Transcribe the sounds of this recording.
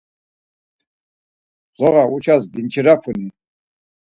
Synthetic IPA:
zɔʁaut͡ʃʰasd̪int͡ʃʰiɾapʰuni

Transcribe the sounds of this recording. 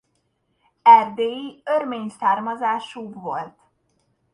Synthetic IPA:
ɛrd̪eːjiørmeːɲsaːrmɒzaːʃuːbʋo̞̰lt̪

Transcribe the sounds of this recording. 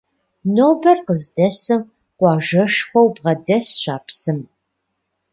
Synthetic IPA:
noːbɐrqəzdɐsɨm | qʷɑːʒɐʃxʷɔwbʁɐdɐsɕaːpsɨm

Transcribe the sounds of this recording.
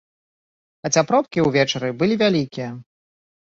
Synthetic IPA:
ɐt͡sʲapɾɔp̚kʲiwvʲɛt͡ʂɐɾɨbɨlʲivʲalʲikʲijɐ

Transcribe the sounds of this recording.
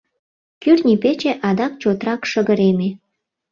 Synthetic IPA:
kyrnʲipet͡ɕeʔɑd̪ɑk̚t͡ɕot̪rɑkʃəɣəɾeme

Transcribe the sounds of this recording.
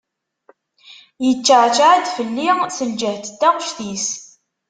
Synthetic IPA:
jət͡ʃːəʕt͡ʃaʕæd̪fəlːisəld͡ʒəht̪əd̪ːæʁəʃθis

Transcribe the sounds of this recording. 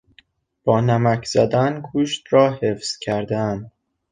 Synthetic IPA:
b̥ɒːnæmæcʰz̥æd̪ænkʰuːʃt̪ɾɒːhefz̥cʰæɾd̪æn

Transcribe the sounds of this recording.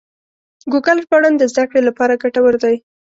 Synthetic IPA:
ɡuɡalpaɽand̪əzd̪akɽelapɑɾaɡaʈawəɾd̪aj

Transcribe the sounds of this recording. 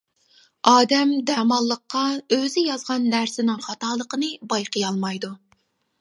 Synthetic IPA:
ɑːd̪ɛmd̪ɛmɑlˠːəqːɑøzɪjɑzʁɑnːæɾsɪnɪŋχɑt̪ɑːlˠəqənɨbɑjqəjɑlˠmɑjd̪u

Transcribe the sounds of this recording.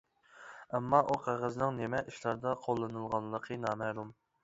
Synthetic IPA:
ɛmːɑʔuqʰæʁəznɪŋnemɛʔiʃlˠɑɾd̪ɑqʰolˠːɨnɨlˠʁɑnlːˠəqʰənɑːmæhlˠum

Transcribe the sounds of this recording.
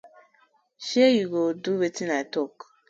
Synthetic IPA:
ʃɛjuɡoduwetĩnaɪtɔk

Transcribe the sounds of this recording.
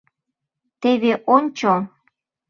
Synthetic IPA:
t̪eβeʔonʲt͡ɕo

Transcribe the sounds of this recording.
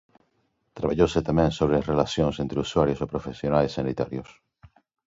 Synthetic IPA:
t̪ɾaβaʎoset̪amẽnsoβɾerelasjõnsent̪ɾeuswaɾjosopɾofesjonaesːanit̪a̰ɾjos

